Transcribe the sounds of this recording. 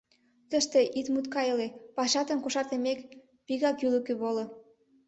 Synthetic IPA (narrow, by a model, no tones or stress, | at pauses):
t̪əʃt̪eʔit̪mut̪kɑjəlepɑʃɑt̪ə̆nkoʃɑrt̪emek | piɣɑkylə̆køβolo